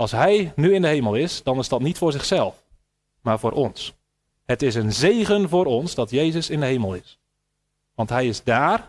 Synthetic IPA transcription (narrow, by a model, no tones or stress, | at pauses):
ɑlˠsɦɛjnyɪndəɦejməlˠɪsd̥ɑnɪzdɑtnitfʊːɹzɪχsɛlˠf | maːɹvʊːɾʔɔns | hətɪs̬ənzejɣənvʊːɾɔnsdɑtjejzəsɪndəɦejməlˠɪs | ʋɑntɦɛjɪzdaːr